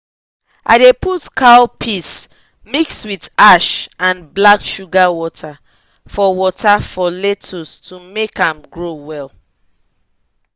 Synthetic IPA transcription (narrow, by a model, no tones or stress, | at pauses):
ʔa̰ɪdeputkʰalpʰis | mikswidaʃãnblakʃuɡawɔtʰa | fɔwɔtafɔletʰostʰumekãmɡɹowɛl